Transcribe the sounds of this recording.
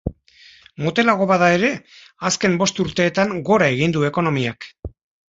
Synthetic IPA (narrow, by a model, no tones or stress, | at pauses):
mot̪e̞laɣ̞o̞βaðae̞ɾe̞ | aske̞mbo̞st̪uɾt̪e̞ːt̪aŋɡo̞ɾae̞ɣ̞ind̪ue̞ko̞no̞miak